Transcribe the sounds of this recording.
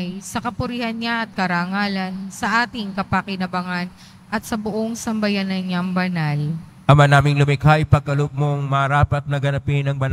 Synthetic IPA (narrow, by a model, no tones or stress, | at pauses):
jsɐkɐpʊɾihɐnɲaʔɐt̪̚kɐɾaːŋaːlɐnsɐʔaːt̪ɪŋkɐpɐkɪnɐbɐŋan | ʔɐt̪̚sɐbʊʔoŋsɐmbɐjanɐɲaŋbɐnal | ʔɐmanaːmɪŋlʊmɪkajpɐɡ̚kɐlop̚moŋmɐɾaːpɐt̪̚nɐɡɐnɐpɪnɐŋbɐn